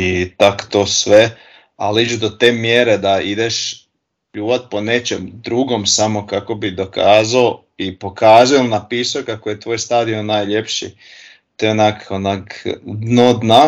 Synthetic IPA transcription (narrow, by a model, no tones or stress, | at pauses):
it̪akt̪oːsʋe | a̰lid͡ʒud̪o̞t̪eːmjeɾe̞d̪aid̪eʃ | pʎuːʋat̪̚po̞ne̞t͡ʃemd̪ɾuːɡo̞msamo̞kako̞bid̪o̞kaːzao | ipo̞kaːzujolnapiːsokakoje̞t̪ʋoːjst̪aːd̪ionaːjʎe̞pʃḭ | t̪oonakonakd̪nod̪na